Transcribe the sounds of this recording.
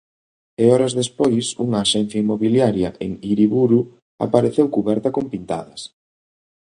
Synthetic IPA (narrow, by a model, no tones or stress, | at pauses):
eɔɾɐzðespojsuŋɐːʃɛn̟θjaimoβiljaɾjɐʔḛŋiɾiβuɾu | a̰paɾeθewkuβɛɾt̪ɐkompint̪a̰ðɐs